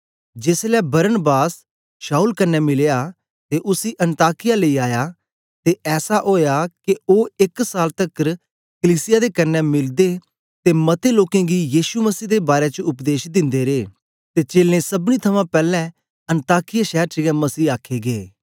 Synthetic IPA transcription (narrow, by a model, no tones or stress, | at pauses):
d͡ʒeːslɛbəɾənbaːs | ʃaːuːlkənːɛmɪleja | t̪eʔʊsiːʔənt̪aːkɪjaːləiːaːja | t̪eʔɛːsaʔoːjakioːɪksaːlt̪əkəɾ | kəliːsɪjaːd̪eːkɐnːɛmɪld̪eː | t̪eːmɐt̪eːloːkẽːɡijiːʃuməsiːd̪eːbaːɾet͡ʃəʊpd̪eːʃd̪ɪ̃nd̪eːɾeː | t̪eːt͡ʃeːlẽːsəbnit̪ʰəmãːpɛːlɛ̃ | ə̃nt̪aːkɪjaːʃɛːɾt͡ʃəɡɛməsiːaːkʰeːɡeː